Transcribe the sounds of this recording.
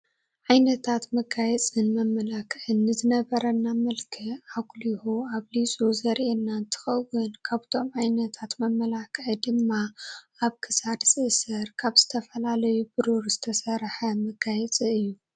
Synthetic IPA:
ʕajnɐt̪ʰat̪mɐɡajɛt͡sʼɨnmɐmːɐlakʰʕɨnːɨzɨnɐβɐɾɐnːamɐlkʰɨʔaɡlihuaβlit͡sʼuzɐɾʔenːant̪ʰɨ̥xɐwɨnkʰaβt̪ʰo̞mʕajnɐt̪ʰat̪mɐmːɐlakʰʕɨd̪ɨmːa | aβkʰɨsad̪sʼɨsɐɾkʰaβz̥ɨt̪ʰɐfɐlalɐjubɨɾuɾzɨt̪ʰɐsɐɾħɐmɐɡajɛt͡sʼɨɨjːu

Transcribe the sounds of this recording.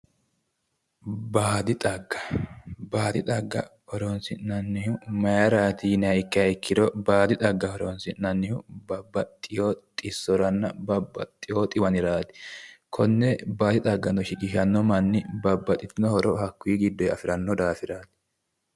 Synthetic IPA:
baːd̪ɪt̪ʼɐɡːɐ̥baːd̪ɪt̪ʼɐɡːɐ̰hɔɾonsɪnɐnːɪhʊmɐjɐɾaːt̪iːnɛhɐjkːɪhɐjɪkːɪd̪ɔbaːd̪ɪt̪ʼɐɡːɐhɔɾonsɪnɐnːɪhʊbɐbːɐt̪ʼːɪjoːt̪ʼɪsːɔɾɐnːɐbɐbːɐ̰t̪ʼːɪjoːt̪ʼɪwɐnɪɾaːt̪ɪ̥kʰɔnːɛbaːd̪ɪt̪ʼɐɡːɐnɔʃɪkɪʃɐnːɔmɐnːɪbɐbːɐt̪ʼɪt̪ɪnɔhɔɾʔɔhɐkːwiːɡɪd̪ːɔjɐfɪɾɐnːɔd̪aːfɪɾaːt̪ɪ̥

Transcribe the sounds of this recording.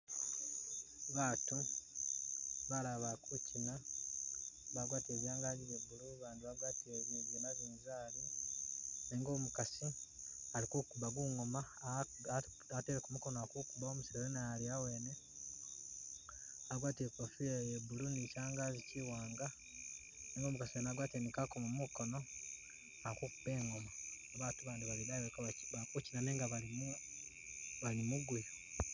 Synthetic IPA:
βaːtu | βalaβakucʰina | βaɡwaːtie̞ːβjaːŋɡaːɟiβebuluβaːndiβaɡwaːtieβjeβjinaβiːnzaːli | niːŋɡo̞mukasiaɾikukuβaɡuŋo̞ma | ateːɾekumuko̞noakukuβaomusiɾejenaaliawe̞ːne | aɡwaːtiepofijejebulunisaːŋɡaziciwaːŋɡa | niːŋɡo̞ːmukasienaɡwaːtenikakomumuko̞no̞ | ahakukubeːŋo̞maː | βaːtuβaːndiβalinaekβakucinaneːŋɡaβalimu | βalimuɡwea

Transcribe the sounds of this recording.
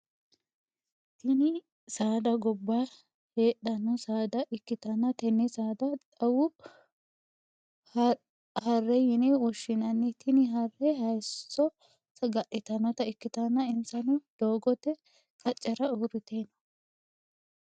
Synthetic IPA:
t̪ɪnɪ | saːd̪ɐɡɔbːa | he̞ːɗɐnːɔsaːd̪ɐʔɪkːɪt̪ɐnːɐt̪ɛnːɪsaːd̪ɐt̪ʼɐwʊ | hɐrːɛjɪnɛwɔʃːɪnɐnːɪt̪ʰɪnɪɦɐrːɛhɐjsːɔ | sɐɡɐʔɪt̪ɐnɔt̪ɐɪkːɪt̪ɐnːɐɪnsɐnʊd̪̥o̞ːɡɔt̪ːɛ | kʼɐt͡ʃʼːɐɾɐʊrɪt̪enɐ̥

